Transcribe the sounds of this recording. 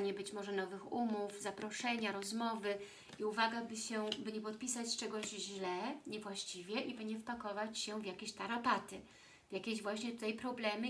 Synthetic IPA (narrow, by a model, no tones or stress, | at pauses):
ɲɛbɘt͡ɕmɔʐɛnɔvɘxumufzapɾɔʂɛɲaɾɔzmɔvɘ | iuvaɡabɘɕɛbɘɲɛpɔt̪̚pʲisat͡ɕt͡ʂɛɡɔʑʑlɛɲɛvwaɕt͡ɕivʲjɛʔibɘɲɛfpakɔvat͡ɕɕɛvʲjakʲeɕt̪aɾɔpat̪ɘ | vʲjakʲeʑvwaɕɲɛt̪ut̪ajpɾɔblɛmɘ